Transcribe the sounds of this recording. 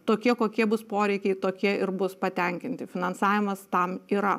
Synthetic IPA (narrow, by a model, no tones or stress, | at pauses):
t̪oːkʲiɛkoːkʲiɛbʊspoːɾʲɛɪkʲɛɪt̪oːkʲiɛɪɾbʊspɐt̪ʲɛŋʲkʲɪnʲt̪ʲɪfʲɪnɐnsɑːʋʲɪmɐst̪ɐmiːɾɐ